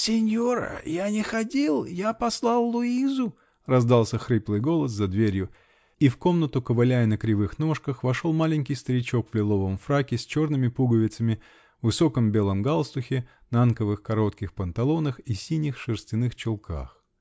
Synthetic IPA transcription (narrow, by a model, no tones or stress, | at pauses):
sʲɪnʲjoɾə̰janʲɪxɐdʲilˠjapɐslˠɑlˠːʊizʊ | rɐzd̪ɑlˠsʲəxɾɨplˠɨjɡo̞lˠəs̬zɐd̪vʲeɾʲjʊ | ifko̞mnət̪ʊkəvɐlʲæjɪnəkɾʲɪvɨxno̞ʂkəxvɐʂo̞lˠmalʲɪnʲkʲɪjst̪əɾʲɪt͡ɕo̞kvlʲɪlˠo̞vəmfɾakʲɪsʲt͡ɕo̞rnɨmʲɪpuɡəvʲɪt̪səmʲɪ | vɨso̞kəmbʲe̞lˠəmɡalˠst̪ʊxʲɪ | nankəvɨxkɐɾo̞t̪kʲɪxpənt̪ɐlˠo̞nəxisʲinʲɪxʂɨrsʲtʲɪnɨxt͡ɕɪlˠkʰa̰x